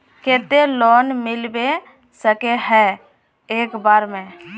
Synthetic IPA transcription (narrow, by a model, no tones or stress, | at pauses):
keːt̪elɔːnmɪlbe | səkeɦɛ | eːkbaːɾmẽ